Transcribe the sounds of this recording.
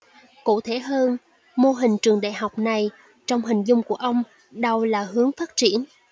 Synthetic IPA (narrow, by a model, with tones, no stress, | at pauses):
kṵ˧˨t̪ʰe˧˩ɦəː˧n | mo˧ɦï˨˩ŋ̟t͡ɕɨ˨˩əŋɗa̰ː˧˨jɦa˨˩wk͡p̚na˨˩j | t͡ɕɔ˧wŋ͡mɦï˨˩ŋ̟zʊ˧wŋ͡mku˧˩əʔə˧wŋ͡m | ɗə˧wlaː˨˩ɦɨ˨˦əŋfaː˦˥t̚t͡ɕi˧˩ən